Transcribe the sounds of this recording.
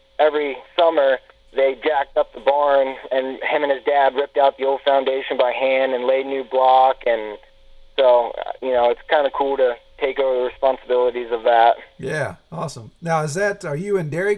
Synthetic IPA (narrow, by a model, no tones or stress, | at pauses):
ɛvɹisʌmə˞ | ðeɪd͡ʒæk̚tʌp̚ðəbɑɹnɨ̃nɨ̃mɨ̃nɨzdæd̚ɹɪp̚taʊt̪̚ðioʊlˠd̥fãʊ̃ndeɪʃɨ̃n̩baɪɦæ̃ndɨ̃nleɪdⁿnʉblɑkɨ̃n | soʊʌ̰jɨnoʊɨtskʰãɪ̃ndɨkʰulˠɾɨtʰeɪkoʊvə˞ðəɹɨspɑ̃nsəbɪlˠəɾizʌvðæt̚jæɔsə̃mnaʊɨzðætə˞jɨɨ̃ndɛɹi